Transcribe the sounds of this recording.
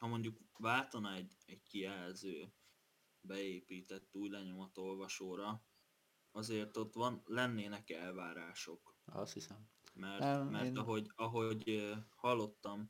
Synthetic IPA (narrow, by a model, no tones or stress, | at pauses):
hɒmo̞ɲɟukvaːlt̪ɒnɒɛɟɛɟkiɛlzøː | bɛeːpiːt̪ɛt̪ːuːɟlɛɲo̞mɒt̪o̞lvɒʃoːɾɒ | ɒzeːrt̪o̞t̪ʋɒnlɛnːeːnɛkɛlvaːɾaːʃo̞kɒ̰shisɛm | mɛrɛmɛrt̪ɒɦo̞ɟɒɦo̞ɟhɒlːo̞t̪ːɒm